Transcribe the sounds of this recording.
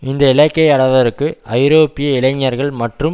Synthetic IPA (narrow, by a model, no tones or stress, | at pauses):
ɪnd̪ɐɪlɐkːɐɪɐɽɐʋɐɾɯkːɯʔɐɪɾoːpɪjɐɪlɐɲːɐɾɣɐɭmɐʈrɯm